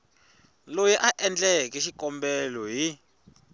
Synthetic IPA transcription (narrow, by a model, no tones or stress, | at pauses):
lojɛʔaʔɛnd͡ɮʼɛkʼɛʃikʼɔmbɛlɔɦi